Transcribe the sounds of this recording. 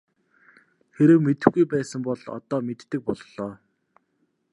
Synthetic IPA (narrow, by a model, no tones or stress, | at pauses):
xeɾɘ̆wmet̪ɘ̆xɡujpæːsə̆mpɔɮɔ̰t̪ɔːmet̪ːɘ̆k̚pɔɮɮɔː